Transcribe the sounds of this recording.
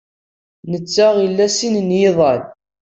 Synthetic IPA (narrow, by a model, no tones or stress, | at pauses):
nət͡sːaʁjəlːæsinnjeðˤɑl